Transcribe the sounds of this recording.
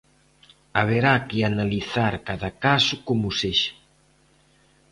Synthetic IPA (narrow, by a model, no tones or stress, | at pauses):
aβ̞eɾakɪanaliθaɾkaðakasʊkomʊseʃḁ